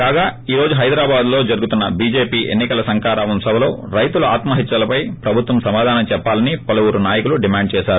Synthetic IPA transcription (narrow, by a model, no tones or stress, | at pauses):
kaːɡaːiːɾo̞ːd͡ʒuɦɐjd̪ɾaːbaːd̪lo̞ːd͡ʒɐɾuɡut̪unːɐbiːd͡ʒe̞ːpiːʔḛnːikɐlɐsɐŋkaːɾaːʋɐmsɐbʱɐlo̞̰ːɾɐjt̪uluaːt̪mɐɦit̪ːɾɐlɐpɐjpɾɐbʱut̪ʋɐmsɐmaːd̪ʱaːnɐmt͡ʃɛpːaːlɐnipɐlɐwuːɾunaːjɐkuluɖimaːɳɖt͡ʃɛːʃaːɾu